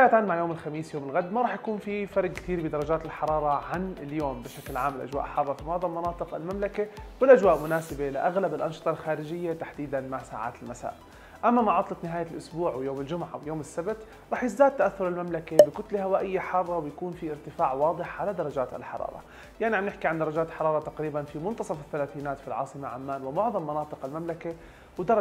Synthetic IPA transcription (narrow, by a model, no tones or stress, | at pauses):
aʔat̪aːnmaʕjoːmɪlxamiːsjoːmɪlɣad̪maɾˤɑːħjakuːnfifɑɾˤɡ̚kt̪iːɾbɪd̪ɑɾˤɑd͡ʒaːt̪ɪlħɑɾˤɑːɾˤɑʕanɪljoːmbɪʃaklʕaːmːɪlʔa̰d͡ʒwa̰ːʔħɑrˤːɑfimɑːd̪ˤɑlmɑnɑːt̪ˤɨqɪ̰lmamlakawɪlʔad͡ʒwaːʔmʊnaːsɪbelɪʔaɣlabɪlʔɑnʃɨ̥t̪ˤɑlxaːɾɪd͡ʒɪjːat̪aħd̪iːd̪anmaʕsa̰ːʕa̰ːt̪ɪlmasa̰ːʔ | ʔamːamaʕɑt̪ˤlɑt̪nɪɦaːjalʔʊsbuːʕwjoːmɪld͡ʒʊmʕa̰wjoːmɪsːabt̪ | ɾˤɑːħjɪzd̪aːd̪̚t̪ːaʔaθːʊɾɪlmamlakabɪkʊt̪lhawaːʔɪjːaħɑrˤːɑwɪjakuːnfiʔɪɾt̪ɪfaːʕwɑːd̪ˤɨħʕalad̪ɑɾˤɑd͡ʒaːt̪a̰lħɑ̰ɾˤɑ̰ːɾˤɑ̰ | jaʕniʕamnɪħkiʕand̪ɑɾˤɑd͡ʒaːt̪ħɑɾˤɑːɾˤɑt̪aqɾiːbanfimʊnt̪ɑsˤɑfɪθːalaːθiːnaːt̪filʕɑ̰ːsˤɨmaʕamːaːnwɪmʊʕðˤɑmːɑnɑːt̪ˤɨqalmamlaka | wɪd̪ɑɾˤ